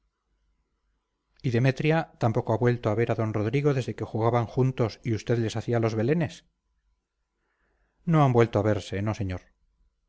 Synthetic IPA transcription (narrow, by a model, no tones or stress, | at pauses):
iðe̞me̞t̪ɾjat̪ampo̞koaβwe̞lt̪oaβe̞ɾaðo̞nro̞ðɾiɣ̞o̞ðe̞zðe̞ke̞xuɣaβaŋxunt̪o̞siust̪e̞ðle̞saθialo̞zβe̞le̞ne̞s | no̞ambwe̞lt̪oaβe̞ɾse̞no̞se̞ɲoɾ